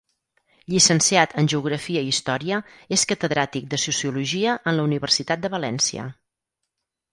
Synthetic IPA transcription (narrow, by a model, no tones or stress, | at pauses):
ʎisənsiat̪ʰənʲʒəuɣ̞ɾəfiəiist̪ɔɾiəeskət̪əðɾat̪ik̚d̪əsusiuluʒiəʔənləuniβərsit̪at̪̚d̪əβəlɛnsiə̰